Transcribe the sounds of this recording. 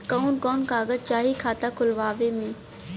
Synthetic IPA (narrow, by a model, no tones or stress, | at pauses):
kɔːnkɔːnkaːɡət͡ʃaːɦikʰaːt̪akʰʊlʋaːʋemẽː